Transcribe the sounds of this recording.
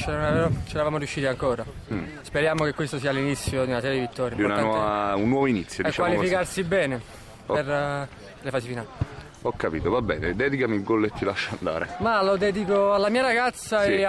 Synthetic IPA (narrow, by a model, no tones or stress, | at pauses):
t͡ʃenonaɛot͡ʃeɾavaːmoɾjuʃːiːt̪iaŋkɔːɾa | speɾjaːmokekːwest̪osiːalːinit̪sːjod̪iunasɛɾjd̪ivit̪ʰːɔːɾjimd̪iunanawɔvaunːwɔvoinit̪sːjodeit͡ʃkaːwalifikarsibɛːne | ɔr | lefaːsifinali | ɔkːapḭːt̪ovabɛːned̪ɛːd̪ikamilɡɔlːet̪ːilaʃːaand̪a̰ːɾḛmalod̪ɛːd̪ikoalːamiːaɾaɡat̪sːae